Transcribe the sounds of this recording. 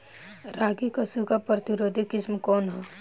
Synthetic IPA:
ɾaːɡikɐsuɡapɾət̪iɾoːd̪ʱikɪsmkɔːnɦɛ

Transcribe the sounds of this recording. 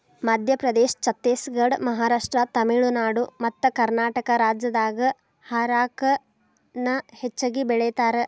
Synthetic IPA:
mɐd̪ʱjɐpɾɐd̪eːʃt͡ʃɐt̪ːeːsɡɐɖmɐɦaːɾaːʂʈɾɐt̪ɐmiɭunaːɽumɐt̪ːɐkɐɾnaːʈɐkɐɾaːd͡ʒjɐd̪aːɡɐ | haːɾaːkɐ | nɐhet͡ʃːɐɡibɛɭɛjt̪aːɾe

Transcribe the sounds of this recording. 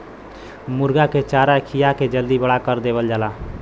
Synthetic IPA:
muɾɡaket͡ʃaɾakʰijaked͡ʒəld̪ibəɽakəɾd̪eβəld͡ʒala

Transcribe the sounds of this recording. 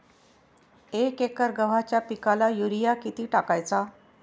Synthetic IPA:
ekekəɾɡəʋ̤at͡ɕjapikalajuɾijakit̪iːʈakajt͡sa

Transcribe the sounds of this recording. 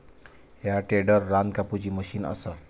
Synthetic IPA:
ɦjaʈeɖəɾːankapud͡ʑiːməɕiːnə̰sə

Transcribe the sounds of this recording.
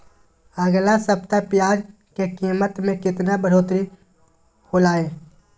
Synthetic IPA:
əɡlasəpt̪apjaːd͡ʒ | kekiːmət̪mẽkɪt̪nabəɽ̤oːt̪ɾi | holaːẽː

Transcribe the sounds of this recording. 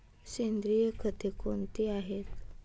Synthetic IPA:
send̪ɾijəkʰət̪ekont̪iaɦet̪

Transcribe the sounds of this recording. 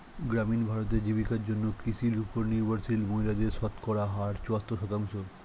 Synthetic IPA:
ɡɾaminbʱaɾot̪̬ed͡ʑibikaɾd͡ʑonːokɾisilupoɾniɾbʱaɾsilmojlad̪eɾʃɔt̪kɔɾaɦaɾt͡ɕoat̪ːoʃɔt̪aŋʃoɾ

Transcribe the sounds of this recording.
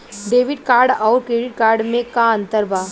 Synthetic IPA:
ɖeːʋɪɖ̚kaːɾɖɔːɾkɾeːɖɪʈ̚kaːɾɖmẽkaɐ̃nt̪əɾbaː

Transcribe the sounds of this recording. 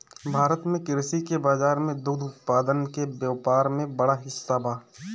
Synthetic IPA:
bʱaːɾət̪mẽkɪɾsikebaːzaːɾmẽd̪uːd̪ʱʊt̪̚paːd̪ənkebjaːpaːɾmẽbəɽaɦɪsːabaː

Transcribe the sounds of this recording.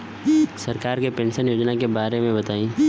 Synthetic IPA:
sɐɾkaːɾkepẽːnʃənjoːd͡ʒnakebaːɾemẽbɐt̪aːĩː

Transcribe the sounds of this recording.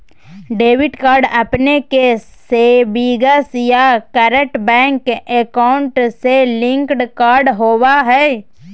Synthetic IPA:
ɖeːʋɪʈkaːɾɖəpneke | seːbiːɡəsjakɛɾəʈbɛ̃ːŋkekaʊ̃ɳʈselɪ̃ŋkɖkaːɾɖɦoːwaɦɛː

